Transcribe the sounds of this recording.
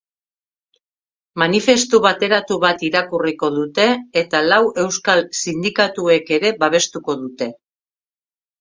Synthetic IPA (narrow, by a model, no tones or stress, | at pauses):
manife̞st̪uβat̪e̞ɾat̪uβat̪iɾakuriko̞ðut̪e̞ːt̪alawʔe̞wskalsind̪ikat̪ue̞ke̞ɾe̞βaβ̞e̞st̪uko̞ðut̪e̞